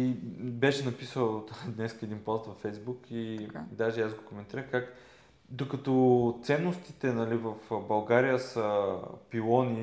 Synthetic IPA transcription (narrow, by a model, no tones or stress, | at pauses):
ibɛʃɛnɐpisəlˠd̪nɛskəɛd̪inpɔst̪vɐfɛjzbukid̪aʒɛazɡokomɛnt̪iɾəxkak | d̪okɐt̪ɔt̪sɛnːost̪i̥t̪ɛnɐlivəfbɐlˠɡaɾijəsəpilˠɔni